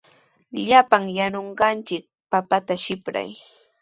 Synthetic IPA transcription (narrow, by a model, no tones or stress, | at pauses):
ʎapaŋjanoɴɢɑnt͡ʃɪk̚papat̪aʃɪpɾa̰j